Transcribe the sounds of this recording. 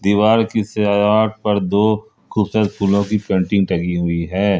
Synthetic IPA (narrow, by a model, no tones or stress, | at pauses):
d̪iːʋaːɾkiseaːjaːʈ̚ʰpɐɾd̪oː | kʊsət̪pʰuːlõkipẽːɳʈɪ̃ŋɡʈɐɡiɦʊiɦɛː